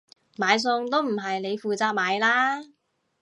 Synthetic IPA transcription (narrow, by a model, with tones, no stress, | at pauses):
maː˨˧js̬ʊ˧ŋt̪o˥wm̩˨˩ɦɐ˨jne˨˧jfuː˨t͡saː˧k̚maː˨˧jlaː˥